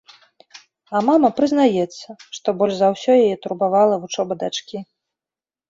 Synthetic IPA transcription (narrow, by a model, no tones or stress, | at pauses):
ɐmamɐpɾɨznajɛt̪sːɐʂt̪ɔbɔlʲʐzɐwsʲɔjajɛt̪uɾbavalˠɐvut͡ʂɔbɐd̪at͡ʂkʲi